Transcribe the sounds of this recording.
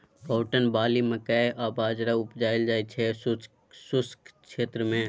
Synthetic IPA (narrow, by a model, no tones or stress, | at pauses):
kɔːʈənbaːliməkaeʔaːbaːd͡ʒɾaʊpd͡ʒaːɪld͡ʒaːit͡ʃʰɛs | sʊskʃeːt̪ɾəmẽ